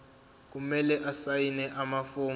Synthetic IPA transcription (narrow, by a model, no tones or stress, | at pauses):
k̬umɛlɛʔasajinɛʔamafoːm